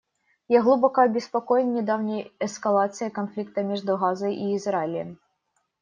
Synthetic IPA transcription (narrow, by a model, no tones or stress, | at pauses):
jaɣlˠubɔkɐɐbʲɪspɐkɔjɪnʲːɪd̪awnʲijɛskɐlˠat̪sɨjɐkɐnflʲik̚t̪ɐmʲɛʐd̪ʊɣazɐjʔiːzralʲɛm